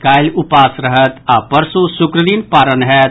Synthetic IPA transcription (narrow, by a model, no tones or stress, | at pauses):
kaːlʊpaːsɾəɦət̪aːpəɾsusʊkɾəd̪inpaːɾənɦɛː